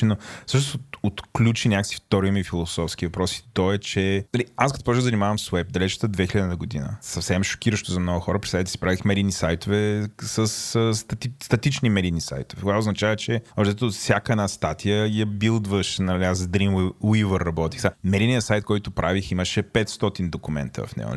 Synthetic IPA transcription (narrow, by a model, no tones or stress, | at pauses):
ɛnofsəʃ̬nosot̪ot̪klʲut͡ʃinʲakəksi̥ft̪ɔɾmifilˠosɔfsk̟ivɐpɾɔsi̥t̪ɔɛt͡ʃɛnɐliaskɐt̪opɔt͡ʃɡ̪zɐənimavəmswɛp̚d̪ɐlɛt͡ʃə̥t̪əd̪vɛxiləd̪inəɡʊd̪inə̰sɐfsɛmʃo̥kʲiɾəʃt̪ozɐmnɔɡʊxɔɾəpɾisat̪it̪ɛsi̥pɾavixmɛɾinisajt̪ʊvɛsəsst̪ɐt̪ist̪ɐt̪it͡ʃnimɛɾinisa̰jt̪ʊvɛkovaʊznɐt͡ʃavət͡ʃɛɔʃt̪ɛt̪ot̪fsʲakəɛnast̪at̪ʰijəjɐbilˠd̪vəʃnɐliasd̪ɾimwivəɾːɐbɔt̪i̥xsamɛɾinijəsajt̪̚kɔjt̪ʊpɾʔaviximəʃɛpɛt̪st̪ɔt̪ind̪okʊmɛ̰nt̪ə̰vɐ̰fnɛ̰ɡʊ̰